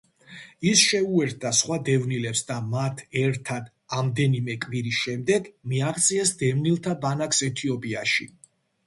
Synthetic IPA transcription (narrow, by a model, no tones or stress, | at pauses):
isʃɛuɛɾt̪̚ʰd̪asχwad̪ɛvnilɛpsd̪amat̪ʰɛɾt̪ʰad̪ | amd̪ɛnimɛkʼviɾisʃɛmd̪ɛɡmiaʁt̪sʼiɛsd̪ɛvnilˠt̪ʰabanaksɛt̪ʰiɔpʼiaʃḭ